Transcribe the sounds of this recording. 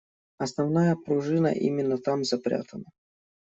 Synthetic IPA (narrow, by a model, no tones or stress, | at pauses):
ɐsnɐvnajəpɾʊʐɨnə̰ʔḭmʲɪnːət̪amzɐpɾʲa̰t̪ənə